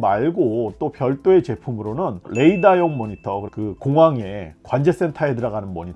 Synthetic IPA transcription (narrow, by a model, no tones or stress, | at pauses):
maɭɡot͈opjʌɭt͈oe̞t͡ɕe̞pʰumɯɾonɯnle̞idajoŋmːʌɲitʰʌkɯkɯkoŋɦaŋe̞kwand͡ʑe̞s͈e̞ntʰae̞dɯɾaɡanɯnmʌɲit